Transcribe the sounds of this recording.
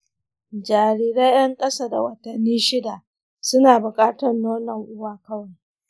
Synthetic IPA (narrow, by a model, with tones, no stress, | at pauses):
d͡ʒaː˨ɾiː˦ɾa˦jɐ˦ŋkʼɐ˦saː˦da̰˨wɐ˨tɐ˨nːiː˦ʃɪ˦da˨ | sʊ˦naː˨bʊ˨kʼaː˦tɔ˨nːoː˦nɐ˨ŋʔʊ˦waː˨kɐ˦wa˨